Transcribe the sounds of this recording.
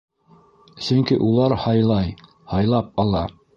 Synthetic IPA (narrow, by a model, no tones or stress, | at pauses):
sɵ̆ŋkiʔulˠɑɾhɑjlˠɑj | hɑjlˠɑp̚ɑlˠɑ